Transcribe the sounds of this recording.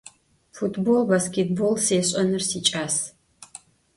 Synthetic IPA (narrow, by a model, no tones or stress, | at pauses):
futʰbolbaskʲʰet̚bolseːɕʼɐnɨrsiːt͡ʃʼaːs